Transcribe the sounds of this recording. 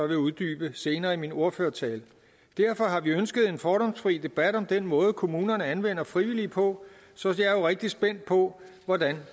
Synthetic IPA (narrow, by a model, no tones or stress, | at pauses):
ɒʋe̝uðˠd̥y̰ːb̥əse̝ːnɐːimino̝ɐføːɐt͡sʰɛːl | d̥æɐ̰fɒ̽ɦɑ̈ʋiønsɡ̥əð̞̩ˠe̝nfɒːɾɒ̽msfʁiːd̥e̝b̥æd̥ɒ̽md̥enmɔ̽ːð̞̩ˠkʰo̝muːnɐnəænʋen̰ɐfʁiʋilipʰɒ̽ | sɒ̽sjɑ̈ɐjo̝ʁeɡ̥̚d̥isb̥en̰d̥̚pʰɒ̽ | ʋɒdæn